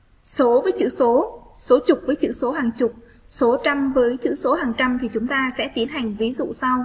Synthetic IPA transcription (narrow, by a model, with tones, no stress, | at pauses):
so˨˦vəː˨˦jt͡ɕɨ̰˧˥so˨˦so˨˦t͡ɕʊ˨˩k͡p̚vəː˨˦jt͡ɕɨ̰˧˥so˨˦ɦaː˨˩ŋt͡ɕʊ˨˩k͡p̚ | so˨˦t͡ɕa˧mvəː˨˦jt͡ɕɨ̰˧˥so˨˦haː˨˩ŋt͡ɕa˧mt̪ʰi˨˩t͡ɕʊ˨˦ŋ͡mt̪aː˧sɛ̰˧˥t̪i˨˦ənɦa˨˩jŋ̟vi˨˦zṵ˧˨sa˧w